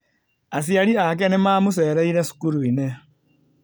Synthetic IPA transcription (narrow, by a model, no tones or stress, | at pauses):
as̬jaɾiak̬ɛnemaːmuseːɾeiɾesu̥kuɾuine